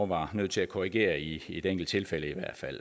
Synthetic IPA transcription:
ʋɑ̈nøð̞̰ˠt͡sʰe̝lækʰoʁiɡ̥e̝̰ːɐie̝d̥eŋɡ̥l̩d̥̚t͡sʰe̝lfeləiʋæɐ̰d̥fæl̰

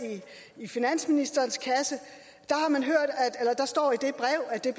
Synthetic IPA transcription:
i | ifinæn̰sminisd̥ɐːnskʰæsə | d̥ɑ̈hɑ̈mænɦøɐ̰d̥æ̥elɐd̥ɑ̈sd̥ɒ̰ːid̥e̝b̥ʁɛʊ̰æd̥e̝b̥

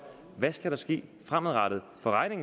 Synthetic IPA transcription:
ʋæsɡ̥æɾ̥ɑ̈sɡ̥e̝̰ːfʁamðˠʁɑɾ̥ð̩ˠfɒ̽ʁɑ̈ɪne̝ŋ

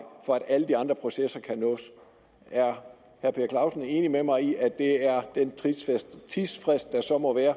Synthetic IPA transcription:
fɒ̽æɾ̥æləd̥iɑ̈nd̥ʁɐ̥pʰʁo̝sesɐkʰænɔ̰ːs | æɐ | hæɐpʰe̝ːɐkʰlɑ̈ʊsn̩e̝ːnimemɑ̈ɪiʔæd̥e̝æɐd̥enʰisd̥t͡sʰisfʁesd̥̚ːɑ̈sɒ̽mɒ̽ʋæːɐ

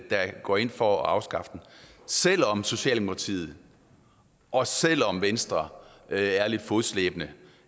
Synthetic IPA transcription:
d̥ɑ̈ɡ̥ɒ̰ːe̝n̰fɒɑ̈ʊsɡ̥ɑ̈fd̥n̩sel̰ɒ̽mso̝ɕɛ̰ːld̥emokʰɑ̈t͡sʰḭːð̩ˠ | ʔɒ̽sel̰ɒ̽mʋensd̥ʁɐ | æɐle̝d̥fo̝ðˠsleːb̥ənə

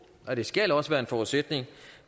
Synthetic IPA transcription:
ɒ̽d̥e̝sɡ̥ælɒ̽səʋæːɐe̝nfɒuðˠsed̥ne̝ŋ

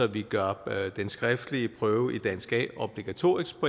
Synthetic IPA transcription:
ɒ̽ʋiɡ̥ɶɐd̥ensɡ̥ʁɛfd̥əliəpʰʁœːʊəʔid̥æn̰sɡ̥ɛ̰ob̥liɡ̥æt͡sʰo̝̰ːɐisspʰɒ

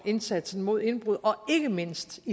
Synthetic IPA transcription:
e̝nsæd̥sn̩mo̝ð̞̰ˠe̝nb̥ʁuð̰ˠɒ̽e̝ɡ̥əme̝n̰sd̥i

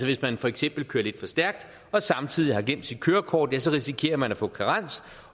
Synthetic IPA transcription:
sɒʋe̝smænfɒ̽eɡ̥sem̰b̥l̩kʰøːɐle̝d̥fɒ̽sd̥æɐɡ̥̚d̥ | ɒ̽sɑ̈mt͡sʰið̰ˠihɑ̈ɡ̥lem̰d̥sid̥̚kʰøːɐkʰɒ̰ːd̥jæsɒ̽ʁisikʰe̝̰ːɐmænæfɔ̰̽ːkʰɑʁɑn̰s

